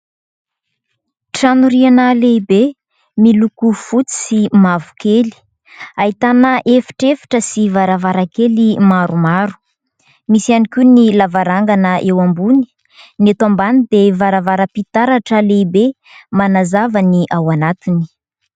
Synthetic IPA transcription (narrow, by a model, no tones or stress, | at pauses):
ʈ͡ʂanuɾianəleibe | milukufut͡si̥simavu̥keli̥ | aɦit̪anəʔefi̥ʈ͡ʂefi̥ʈ͡ʂəsivaɾavaɾakelimaɾumaɾu̥ | misianikʲunilavaɾaŋɡanəʔewambuni̥ | net̪ambanid̪evaɾavaɾəpit̪aɾaʈ͡ʂəleibe | manazavəniʔawanat̪ini̥